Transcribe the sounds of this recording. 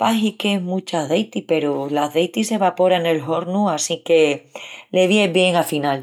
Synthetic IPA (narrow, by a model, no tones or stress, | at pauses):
paɦikemũt͡ʃaðe̞jt̪ipe̞ɾolazðe̞jt̪ise̞βapo̞ɾane̞lɦo̞ɾnuasike̞le̞βjeβje̞ŋafinal